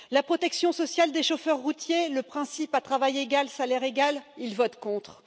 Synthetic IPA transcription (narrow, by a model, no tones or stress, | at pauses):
lapχɔt̪ɛksjɔ̃sɔsjald̪eʃofœʁːut̪jeləpχɛ̃sipat̪χavajeɡalsalɛʁeɡalilvɔt̪kɔ̃t̪χ